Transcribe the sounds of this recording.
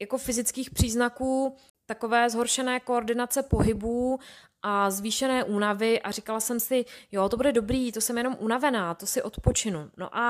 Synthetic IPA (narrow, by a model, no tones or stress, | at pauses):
jako̞fɪzɪt͡skiːxpr̝̥iːznakuː | t̪ako̞vɛːzɦo̞ɾʃɛnɛːko̞ːɾdɪnat͡sɛpo̞ɦɪbuː | ʔazviːʃɛnɛːʔuːnavɪʔarikalasɛmsɪjo̞ːt̪obudɛdo̞bɾiːt̪osɛmjɛno̞mʔunavɛnaːt̪o̞sɪʔo̞t̪po̞t͡ʃɪnuno̞̰ʔa